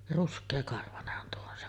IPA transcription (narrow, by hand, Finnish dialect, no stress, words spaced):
ruskˑeːkɑrʋɑnehːɑn tuo on se